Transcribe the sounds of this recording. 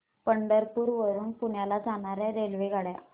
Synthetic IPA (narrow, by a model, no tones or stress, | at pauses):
pəɳɖəɾpuːɾʋəɾuːnpuɳjalad͡zaɳaɾjaɾelʋeɡʱaɽja̰